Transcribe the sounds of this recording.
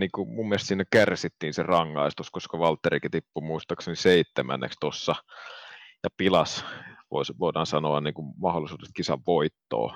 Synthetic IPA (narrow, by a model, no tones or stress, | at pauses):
niːkumummiest̪sinːækærsit̪ːiːnserɑŋːɑist̪uskoskɑʋɑlt̪ːerikit̪ipːumuist̪ɑkseniseit̪ːemæ̰nːḛkst̪osːɑ | jɑpilɑsʋo̰isʋoˑidɑːnsɑnoɑnniːŋkummɑholˑisuːd̥est̪̚kisɑʋʋoit̪ːo̰ː